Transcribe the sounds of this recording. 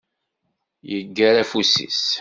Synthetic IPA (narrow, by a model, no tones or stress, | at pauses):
jəɡːæɾæfusḭs